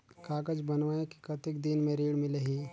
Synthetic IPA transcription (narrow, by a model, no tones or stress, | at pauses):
kaːkəd͡ʒbənʋaẽki̥kət̪ikd̪inmẽɾiːɽmɪleɦiː